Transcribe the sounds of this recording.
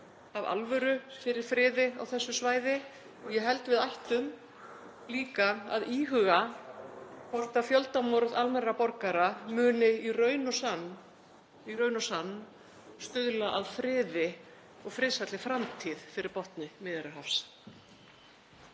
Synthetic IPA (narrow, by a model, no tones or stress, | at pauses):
ava̰lvœɾʏfɪɾɪɾ̥fɾɪːðɪa̰wθɛsːʏsvaːjðɪ | ɔɣjɛɦɛlt̪vɪðajht̪ʏm | liːkaa̰ðiːɦʏɣa | pɔɾt̪afjɔlt̪amɔɾðalmɛrapɔɾkaɾamʏːnɪirœːɥnɔsanː | irœːɥnɔsanː | st̪ʏðlaʔaðfɾɪːðɪ | ɔɣfɾɪðsat̪lɪfɾamt̪ʰiːðfɪɾɪɾ̥pɔht̪nɪmɪːðɪɾʏɦafs